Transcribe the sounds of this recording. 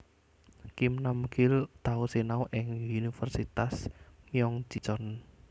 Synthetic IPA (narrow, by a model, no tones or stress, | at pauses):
kimnamɡɪlt̪ausenauʔɪŋunifərsit̪asmijɔŋd͡ʒ̥i̤t͡ʃɔn